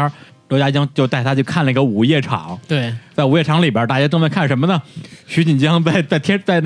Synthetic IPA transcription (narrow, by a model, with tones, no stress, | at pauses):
t̪t͡ɕja˥t͡ɕjɑ˥ŋt͡ɕjo˥˧ʊt̪a˥˩ɪa˥t͡ɕjo˥˧ʊkʰa˥˩nlə˩i˧˥ɡə˧˩u˨˩jɛ˥˩ʈ͡ʂʰɑ̰˧˩˦ŋt̪we˥˩ɪt͡sa˥˩ɪu˧˥jɛ˥˩ʈ͡ʂʰɑ˧˥ŋli˨˩bjə˞˥t̪a˥˩t͡ɕja˥˧ʈ͡ʂɤ˥˧ŋmə˥˧ŋkʰa˥˩nʂə˧˥nmə˧nə˩˨ɕy˧˥t͡ɕi˨˩nt͡ɕjɑ˥ŋt͡sa˥˧ɪt͡sa˥˩ɪt̪ʰjɛ˥t͡sa˥˧ɪn˥